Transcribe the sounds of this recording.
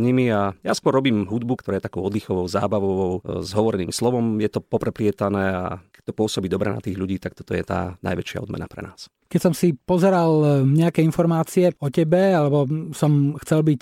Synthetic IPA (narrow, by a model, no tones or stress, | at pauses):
ɲimiajaskʊɔɾːɔbiːmɦud̪bukt̪ɔɾaːjɛt̪akɔʊɔd̪lixɔʋɔʊza̰ːbaʋɔʋɔʊzɦɔʋɔɾɛniːmslɔʋɔmjɛt̪ɔpɔpɾɛplɪɛt̪anɛːa̰kɛ̥c̚t̪ɔpʊɔsɔbiːd̪ɔbɾɛ̰na̰t̪iːɣʎuɟiːt̪ak̚t̪ɔ̥t̪ɔjɛt̪a̰ːna̰jʋɛt͡ʃɪa̰ɔd̪mɛ̰na̰pɾɛ̰naːs | kɛcsɔmsipɔzɛɾalɲɛakɛinfɔɾmaːt͡siɛɔcɛbɛalɛbɔsɔmxt͡sɛlbic